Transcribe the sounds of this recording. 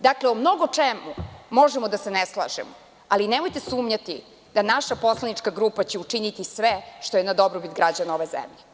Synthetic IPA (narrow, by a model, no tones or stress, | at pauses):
d̪akleomnoɡo̞t͡ʂemumo̞ʒemod̪aseneslˠa̰ʒḛmo | alinemojt̪esuːmɲat̪ḭ | d̪̥anaʃapo̞slˠanit͡ʂkaɡɾuːpat͡ɕeut͡ʂinit̪isʋeʃt̪ojenad̪obɾobit̪ɡɾad͡ʑanaoʋezḛmʎe